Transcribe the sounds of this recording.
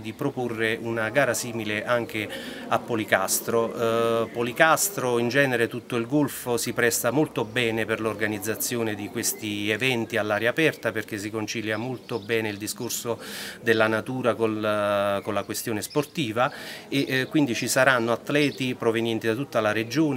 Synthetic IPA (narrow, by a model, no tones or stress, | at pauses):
d̪ipɾoporːeʔunaɡaːɾasiːmileʔaŋk̟e | apːolikast̪ɾopolikast̪ɾoind͡ʒɛːneɾet̪ut̪ːoilɡolfosipɾɛst̪amolt̪obɛːneperlorɡanid̪zːat̪sːjoːned̪ikwest̪ievɛnt̪ialːaːɾjaːpɛrt̪aperk̟es̬ːikont͡ʃiljamolt̪obɛːneild̪iskorsod̪elːanat̪uːɾako | konlakwest̪joːnesport̪iːvaeʔkːwind̪it͡ʃisaɾanːoat̪ːlɛːt̪ipɾovenjɛnt̪id̪at̪ut̪ːalaɾed͡ʒoːn